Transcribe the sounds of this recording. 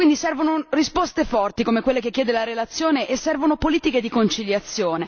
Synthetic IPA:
wind̪isɛrvonorispost̪efɔrt̪ikomekwelːekekːjɛːd̪elaɾelat̪sːjoːneʔesːɛrvonopoliːt̪iked̪ikont͡ʃiljat̪sːjoːne

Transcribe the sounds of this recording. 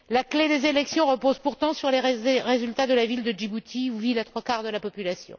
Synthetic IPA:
lakled̪ezelɛksjɔ̃ʁəpozpuʁt̪ɑ̃syʁleʁezylt̪ad̪əlavild̪əd͡ʒibut̪ʰiuvilat̪χwakaʁd̪əlapɔpylasjɔ̰̃

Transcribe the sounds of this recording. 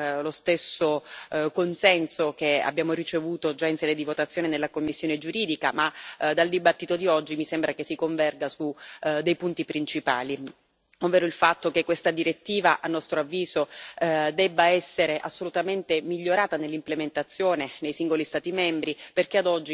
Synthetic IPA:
lost̪esːokonsɛnsok̟ea̰bjaːmoɾit͡ʃevuːt̪od͡ʒainsɛːd̪ed̪ivot̪at̪sːjoːnenelːakomːisːjoːned͡ʒuɾiːd̪ika̰mad̪ald̪ibat̪ːit̪od̪iɔd͡ʒːimisembɾakesːikoɱvɛrɡasud̪ːejpunt̪ipɾint͡ʃipa̰ːli | ovːeːɾoilfat̪ːokekːwest̪ad̪iɾet̪ːiːvaʔanːɔst̪ɾoavːiːzod̪ɛbːaɛsːeɾeʔasːolut̪ament̪emiʎːoɾaːt̪anelːimplement̪at̪sːjoːnenejsiŋɡolist̪aːt̪imɛmbɾiperk̟ead̪ɔd͡ʒːi

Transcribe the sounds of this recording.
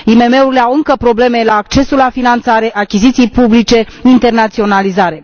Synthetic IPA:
ime̞me̞uɾileawɨŋkəpɾo̞ble̞me̞laːk̚t͡ʃe̞sulafinant̪saɾe̞ʔakʲizit̪sijpublit͡ʃe̞int̪e̞rnat̪sio̞nalizaɾe̞

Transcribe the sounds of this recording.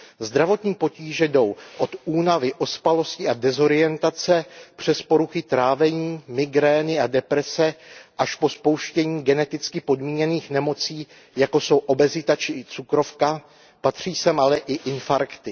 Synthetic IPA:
zd̪ɾavo̞t̪ɲiːpo̞ciːʒɛdo̞wʔo̞t̪uːnavɪʔo̞spalo̞scɪʔadɛzo̞ɾɪjɛnt̪at͡sɛpr̝̥ɛspo̞ɾuxɪt̪ɾaːvɛɲiːmɪɡɾɛːnɪadɛpɾɛsɛʔaʃpo̞spo̞wʃcɛɲiːɡɛnɛt̪ɪt͡skɪpo̞dmiːɲɛniːxnɛmo̞t͡siː | jako̞so̞wʔo̞bɛzɪt̪at͡ʃɪt͡sukɾo̞fka | pat̪r̝̥iːsɛmʔalɛʔɪʔɪnfaɾkt̪ɪ

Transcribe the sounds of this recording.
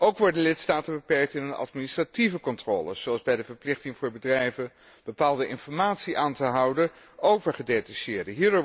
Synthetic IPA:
owkʋɔɹdəlɪtstaːtəbəpɛɹk̚tɪnənɑ̰tministrativəkɔntrɔːlə̰z̥owɑlˠzbɛjdəvəɹplɪχtɪŋvʊːɹbədrɛjvə | b̥əpaːlˠdəʔɪnfɔɹmaːtsiʔaːntəɦʌwdə | owvəɹχədejtaʃɪːɹdəɦiːɹdʊː

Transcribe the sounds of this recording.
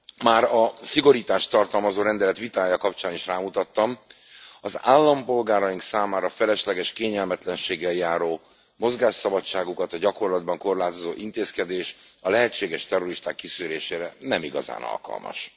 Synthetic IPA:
maːɾɒsiɡo̞ɾiːt̪aːʃt̪ɒrt̪ɒlmɒzoːɾɛnd̪ɛlɛt̪ʋit̪aːjɒkɒpt͡ʃaːniʃraːmut̪ɒt̪ːɒm | ɒzaːlːɒmpo̞lɡaːɾɒjiŋksaːmaːɾɒfɛlɛʃlɛɡɛʃkeːɲɛlmɛt̪lɛnʃeːɡɛljaːɾoː | mo̞zɡaːʃsɒbɒt͡ʃːaːɡukɒt̪ɒɟɒko̞rlɒd̪̚bɒŋko̞rlaːt̪o̞zoːʔint̪eːskɛd̪eːʃɒlɛɦɛt͡ʃːeːɡɛʃt̪ɛro̞ɾiʃt̪aːkːisyːɾeːʃeːɾɛnɛmiɡɒ̰za̰ːnɒ̰lkɒ̰lmɒ̰ʃ

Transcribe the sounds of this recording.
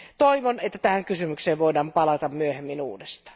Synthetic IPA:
t̪oiʋonet̪ːæt̪æhæŋkysymykseːʋʋoidɑːmpɑlɑt̪ɑmmyøhemːinṵːdest̪ɑ̥ː

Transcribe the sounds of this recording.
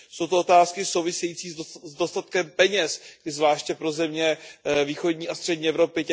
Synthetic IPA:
so̞wt̪oot̪aːskɪsowvɪsɛjit͡siːzzdo̞st̪at̪kɛmpɛɲɛsɡdɪzvlaːʃcɛpɾo̞zɛmɲɛviːxo̞dɲiːast̪r̥ɛdɲiːʔɛvɾo̞pɪcɛ

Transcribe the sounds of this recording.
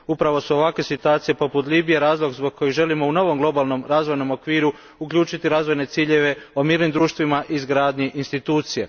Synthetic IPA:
upɾaʋo̞suo̞ʋakʋe̞sit̪uaːt̪sije̞po̞put̪liːbijeɾaːzlˠo̞ɡzboɡ̚kʰːo̞jiʒe̞limo̞uno̞ʋo̞mɡlˠo̞balˠnomɾaːzʋo̞jno̞mo̞kʋiːɾu | ukʎuːt͡ʃit̪iɾaːzʋo̞jne̞t̪siːʎe̞ʋe̞o̞miːɾnimd̪ɾuːʃt̪ʋimaʔizɡɾaːd̪ɲiʔinst̪it̪uːt̪sije

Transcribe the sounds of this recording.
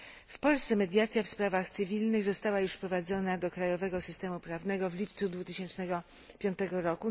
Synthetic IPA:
fpɔlst̪sɛmɛd̪ʲjat̪sʲjafspɾavaxt̪sɘvʲilnɘɣzɔst̪awajuʂfpɾɔvad̪zɔnad̪ɔkɾajɔvɛɡɔsɘst̪ɛmupɾavnɛɡɔvlʲipt̪sud̪vut̪ɘɕɛnt͡ʂnɛɡɔ | pʲjɔnt̪ɛɡɔɾɔku

